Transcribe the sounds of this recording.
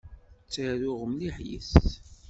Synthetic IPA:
t͡sːəɾʊʁəmliħjḭθ

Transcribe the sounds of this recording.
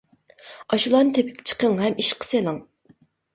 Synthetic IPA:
ɑʃulˠɑnɨt̪ʰepʰɪ̥p̚t͡ʃʰə̥qəŋɦɛmiʃqʰə̥selˠɨŋ

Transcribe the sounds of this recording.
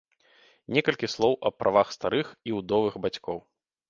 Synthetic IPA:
nʲɛkɐlʲkʲislˠɔwʔɐpɾʔavaxst̪aɾɨxiwd̪ɔvɨxbat͡sʲkɔw

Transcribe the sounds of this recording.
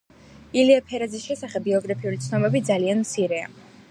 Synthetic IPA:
iliapʰɛɾad̪zisʃɛsaχɛb̚ɡiɔɡɾapʰiulit̪sʰnɔbɛbid̪zalianmt̪sʰiɾɛa̰

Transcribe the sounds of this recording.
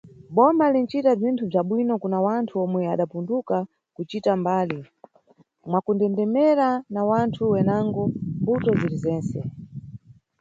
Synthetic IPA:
ɓɔmalin̩t͡ʃitab͡ʐintʰub͡ʐaɓwinɔkunawantʰuɔmwɛaɗapunduka | kut͡ʃitambaːli | mwakundɛndɛmɛɾanawantʰuwɛnaŋɡɔmbutɔzilizɛːnsɛ̰

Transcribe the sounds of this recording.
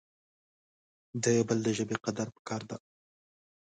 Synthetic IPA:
d̪əbəld̪əʒəbeqad̪aɾpə̥kɑɾd̪a

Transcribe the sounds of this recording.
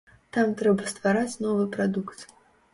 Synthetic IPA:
t̪amt̪ɾɛbɐst̪vaɾat͡sʲnɔvɨpɾad̪ukt̪

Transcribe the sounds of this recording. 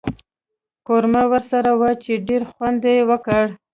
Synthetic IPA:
koɾmawəɾsaɾawət͡ʃeɖeɾxwand̪ewəkəɽ

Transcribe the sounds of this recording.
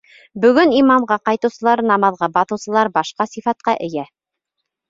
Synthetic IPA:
bɵ̆ɡɵnimɑmʁɑqɑjt̪ɤ̆wsɤ̆lˠɑɾnɑmɑðʁɑbɑθɤ̆wsɤ̆lˠɑɾbɑʃqɑsifɑt̪̚qɑʔɘ̆jæ

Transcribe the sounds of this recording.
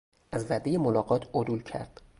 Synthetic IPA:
ʔæzvæd̪ejemolɒːɢɒːt̪ʰod̪uːlcʰæ̰ɾd̪̥

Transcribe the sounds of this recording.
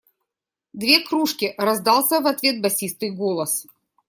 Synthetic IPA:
d̪vʲe̞kɾuʂkʲɪɾɐzd̪ɑlˠsʲəvɐt̪vʲe̞t̪̚bɐsʲist̪ɨjɡolˠəs

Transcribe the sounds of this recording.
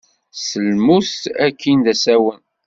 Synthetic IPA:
səlmust̪ækːind̪æsæwən

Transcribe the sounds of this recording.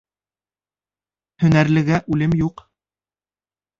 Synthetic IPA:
hɵ̆næɾlɘ̆ɡæʔʉlɘmjuq

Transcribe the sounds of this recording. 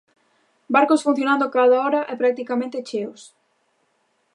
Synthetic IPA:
baɾkosfun̟θjonãnd̪ʊkaðaɔɾɐʔɛpɾak̚t̪ikamẽnt̪et͡ʃeʊs

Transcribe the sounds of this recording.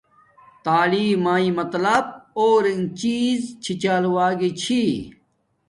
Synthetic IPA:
t̪aːliːmaːĩmɐt̪lɐb̚oːɾiŋt͡ɕiːzt͡ɕʰit͡ɕaːluwaːɡit͡ɕʰi

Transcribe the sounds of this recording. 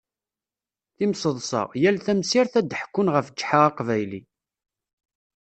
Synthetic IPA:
θimsəðˤsɑ̰ʁjælθæmsiɾθæd̪əħkːʊnʁəft͡ʃːħaʁɑqvæjlḭ

